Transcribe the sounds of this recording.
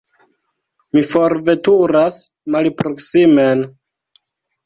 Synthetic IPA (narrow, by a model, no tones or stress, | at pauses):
mifo̞ɾve̞tuɾas | malpɾo̞ksime̞n